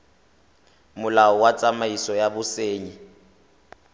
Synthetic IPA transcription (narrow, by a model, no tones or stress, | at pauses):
mʊlaɔwat͡sʼamaisɔjabʊseːɲi